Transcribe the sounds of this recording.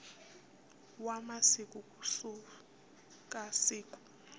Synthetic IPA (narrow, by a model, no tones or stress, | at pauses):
wamasikʼukʼusu | kʼasiːkʼu̥